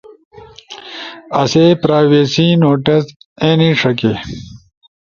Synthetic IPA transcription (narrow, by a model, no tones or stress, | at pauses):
ɐseːpɾaːweːsinoːʈɐsẽːnĩʂɐke